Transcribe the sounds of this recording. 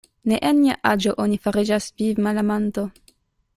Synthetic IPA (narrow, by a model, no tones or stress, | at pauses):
neʔenmiaʔad͡ʒo̞ʔonifaɾid͡ʒaspivmalamanto